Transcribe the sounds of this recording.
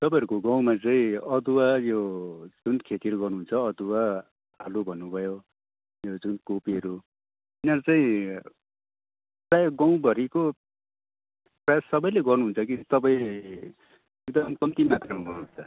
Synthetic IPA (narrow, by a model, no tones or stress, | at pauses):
t̪ʌpãɦʌɾukoɡaw̃mat͡saĩʌd̪uwajod͡zunkʰet̪iʌɾuɡʌrnuɦunt͡sʰʌʌd̪uwa | alobʱʌnːubʱʌjo | jod͡zunkopiʌɾu | inaɾt͡saĩ | prajakɡʌw̃bʱʌɾiko | prʌjassʌbʌjleɡʌrnuɦunt͡sʰʌkit̪ʌpãĩ | ek̚d̪ʌmkʌmt̪imat̪rʌmaɡʌrnuɦunt͡sʰʌ